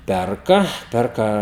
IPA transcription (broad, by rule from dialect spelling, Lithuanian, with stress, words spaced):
ˈpʲɛrkɐ ˈpʲɛrkɐ